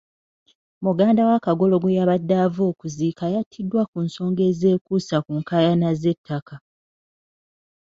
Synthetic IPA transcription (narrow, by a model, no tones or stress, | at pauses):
muɡaːndawakaɡo̞lo̞ɡujaβadːaːvoːkuziːkajatʰːidːwakunso̞ːŋɡe̞ːze̞ːkusakuŋkajanaze̞tʰːaka